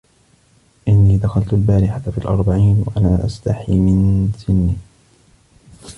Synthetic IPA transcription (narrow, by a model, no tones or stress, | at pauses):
ʔɪnːiːd̪axalt̪ʊlbaːɾɪħat̪afiːlʔɑ̰ɾˤbaʕiːnwa̰ʔanaːʔa̰st̪aħiːmɪnsɪnːiː